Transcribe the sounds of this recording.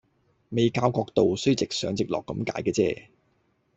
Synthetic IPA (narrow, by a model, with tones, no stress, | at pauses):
me˨jkaː˧wkɔː˧k̚t̪o˨wsɵ˥ɥt͡sɪ˨k̚sœː˨˥ŋt͡sɪ˨k̚lɔː˨kːɐ˨˥mka̰ː˨˥jkɛː˧t͡sɛ̰ː˧˩